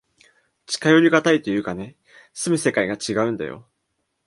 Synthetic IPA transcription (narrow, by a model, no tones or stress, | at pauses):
t͡ɕi̥kajoɾʲiɡat̪ait̪o̞jɯ̟ːkane̞ | sɨmɯ̟se̞kaiɡat͡ɕiɡaɯ̟̃nd̪a̰jo̞̰